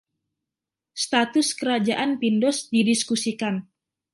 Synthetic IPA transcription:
st̪at̪ʊskəɾad͡ʒaʔanpindɔsdidiskusikan

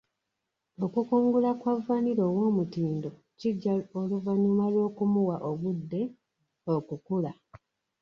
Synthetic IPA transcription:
o̞kukuːŋɡulakwavːaniɾo̞wo̞ːmutiːndo̞ | ciɟːaoluvaɲumalwo̞ːkumuwaʔoɡudːe̞ | okukula

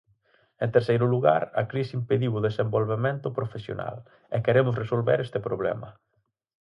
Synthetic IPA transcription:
ẽnt̪eɾsejɾʊluɣa̰ɾɐ̰kɾisimpeðiwʊðesembolβemẽnt̪ʊpɾofesjo̰na̰l | ɛkeɾemʊsresolβeɾɛst̪epɾoβlɛ̰mɐ̰

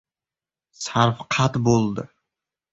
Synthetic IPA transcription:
saɾfqʰat̪bolˠd̪ɪ

